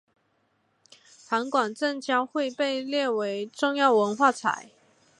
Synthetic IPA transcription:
fʰa˧˥ŋkwa˨˩nʈ͡ʂə˥˨ŋt͡ɕjɑ˥ʊxwe˥˧ɪpe˥˨ɪljɛ˥˨we˧˦ɪʈ͡ʂʊ˥˧ŋjɑ˥˨ʊwə˧˦nxwa˥˨t͡sʰa̰˨˩˦ɪ

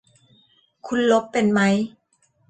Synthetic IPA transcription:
kʰu˧nlo˦˥pːe˧nma˦˥j

